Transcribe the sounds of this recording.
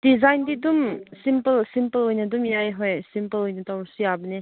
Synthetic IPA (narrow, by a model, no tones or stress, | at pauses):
dizajndidumsimpɐlsimpɐlɔjnɐdumjajɦɔjsimpəlɔjnɐtawɾsujabɐne